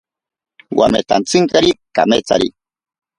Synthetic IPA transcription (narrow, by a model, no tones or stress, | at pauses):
wa̰met̪ant͡sɨŋkaɾika̰met͡sa̰ɾḭ